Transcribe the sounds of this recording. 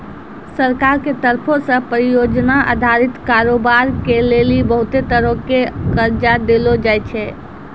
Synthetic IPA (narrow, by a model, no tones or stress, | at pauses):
səɾkaɾket̪əɾpʰosə̃pɾijod͡ʒnaʔa̰d̪ʱaɾit̪kaɾobaɾkelelibəɦut̪et̪əɾõkekəɾd͡ʒad̪elod͡ʒajt͡ʃʰɛ